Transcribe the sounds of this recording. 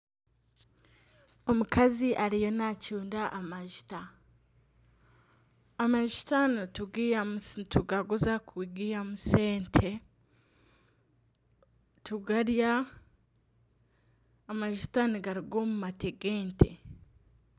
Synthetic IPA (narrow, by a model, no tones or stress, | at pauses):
omukaziʔaɾijo̞nacuːndaʔamaʒi̥ta | maʒi̥tanituɡiːamtʰuɡaɡuzakuiɡiamuse̞ːntʰe | tuɡaɾja | maʒitaniɡaɾiɡoːmumateɡe̞ːntʰe̞̰